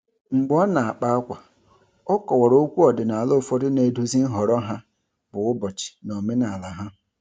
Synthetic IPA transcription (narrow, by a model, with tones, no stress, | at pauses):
ŋ͡m̩˨ɡ͡bɔ˦na˨a˨k͡pa˦a˦kʷa˨ | ɔ˦kɔ˨wɔ˨ɾo˦kʷu˦ɔ˨dɪ˨na˨a˨lo˦˨fɔ˦dɪ˦ne˨du˦zi˦n̩˦ɦɔ˨ɾɔ˦ɦa˦ | bʊ˨ʊ˦bɔ˨t͡ʃɪ̥˨no˨me˦na˨a˨la˨ɦa˦